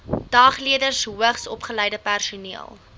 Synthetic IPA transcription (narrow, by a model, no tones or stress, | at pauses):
d̥ɑːχliədərsɦuəχsɔpχəlɛjdəpærsuniəlˠ